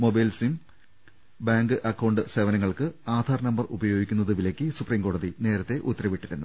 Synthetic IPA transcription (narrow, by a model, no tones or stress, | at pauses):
mo̞bɐjlsim | baːŋɡɨʔɐkːɐwɳɖɨse̞ːʋɐnɐŋːɐɭkɨaːd̪ʱaːrɐnɐmbɐrubɐjo̞ːɡikʲːunːɐðɨʋilɐkʲːɨsupriːŋko̞ːɽɐðine̞ːɾɐt̪ːe̞ʔut̪ːɐɾrɐʋiʈːiɾunːu